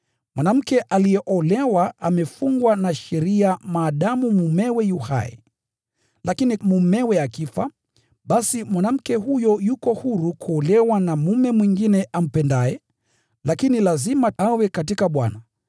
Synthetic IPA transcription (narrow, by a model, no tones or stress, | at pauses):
mwanam̩kɛʔalijɛʔɔlɛwaʔamɛfuŋɡwanaʃɛɾiamaːɗamumumɛwɛjuha̰jɛ̰ | lʔakinimumɛwɛakifa | ɓasimwanam̩kɛhujɔjukɔhuɾukʰuɔlɛwanamumɛmwiŋɡinɛʔam̩pɛndaɛ | lakinilazimaawɛkatikaɓwa̰na